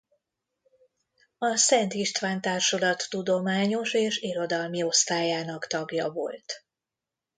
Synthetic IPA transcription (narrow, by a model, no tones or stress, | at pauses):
ɒsɛnt̪iʃt̪ʋaːnt̪aːrʃolɒt̪ːud̪o̞maːɲo̞ʃeːʃiɾo̞d̪ɒlmio̞st̪aːjaːnɒkt̪ɒɡjɒvo̞̰lt̪